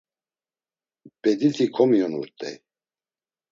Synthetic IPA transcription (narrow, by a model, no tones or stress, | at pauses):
pɛd̪it̪ʰikʰɔmijɔnuɾt̪ʼɛ̰j